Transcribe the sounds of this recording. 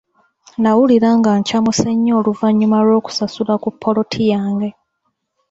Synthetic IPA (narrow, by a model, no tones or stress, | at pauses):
nawuliɾaŋɡaɲcamuseɲːo̞ːluvaɲːumaɾo̞ːku̥sasulakupʰːo̞lo̞tʰijaːŋɡe̞